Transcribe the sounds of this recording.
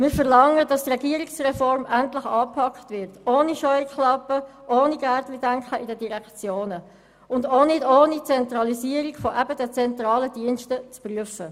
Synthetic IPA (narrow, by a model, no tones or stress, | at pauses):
mɪːɾfəʁlɑŋːədɑstrɛɡiəɾiksrɛfɔɾmæntlɪχɑːpʰɑkχtʋɪɾtoːniʃɔʏkχlɑpːəʔoːniɡætlidæŋkχəʔidədiʁɛkt͡sjoːnə | ʊndoːnɪdoːnit͡sɛntɾɑliziːəɾiɡfɔʔæbədɛt͡sɛntɾɑːləd̥iənʃtət͡spryəfə